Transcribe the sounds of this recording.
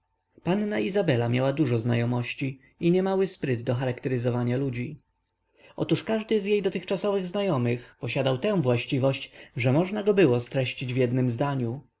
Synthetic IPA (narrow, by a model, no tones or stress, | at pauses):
panːaizabɛlamʲjawad̪uʐɔzna̰jɔmɔɕt͡ɕi | iɲɛmawɘspɾɘd̪d̪ɔxaɾakt̪ɛɾɘzɔvaɲalud͡ʑi | ɔ̰t̪uʂkaʐd̪ɘzjejd̪ɔt̪ɘxt͡ʂasɔvɘɣznajɔmɘxpɔɕad̪awt̪ɛ̃w̃vwaɕt͡ɕivɔɕt͡ɕʐɛmɔʐnaɡɔbɘwɔst̪ɾɛɕt͡ɕid͡ʑvʲjɛd̪nɘmzd̪aɲu